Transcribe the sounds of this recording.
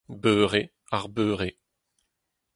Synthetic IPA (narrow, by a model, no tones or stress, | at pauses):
bøːʁe | aʁbøːʁe